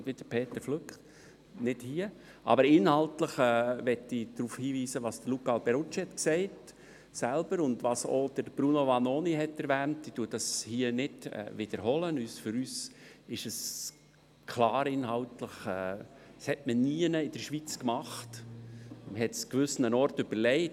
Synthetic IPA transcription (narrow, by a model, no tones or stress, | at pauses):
ʋɪd̥əɾpʰeːtəɾfløkχ | nɪd̥hiə | ʔɑ̰bəɾɪnhɑltləχɛːʋɛtːid̥ɾuːfhiːʋiːsəʋɑsd̥əɾlukɑlbɛɾʊt͡ʃhɛtksɛɪt | sælb̥əɾʊndʋɑso̰d̥əɾb̥ɾunoʋɑnoːniɦɛtɛɾʋæːntd̥id̥uədɑshiːənɪd̥ɛ̰vɪd̥əɾɦɔlənyːsfʏɾyːsɪʃəs | kʰlɑːɾɪnhɑltləχɛːshɛtməniənəɪdəɾʃʋit͡skmɑχt | məɦɛtskʋʏsn̩ənɔrtʏb̥əɾlɛɪt